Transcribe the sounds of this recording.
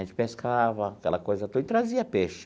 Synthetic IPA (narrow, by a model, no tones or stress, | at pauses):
ẽnt͡ʃɪ̥peskʰavɐːkɛlɐkojzɐt̪oit̪ɾaziɐpeʃ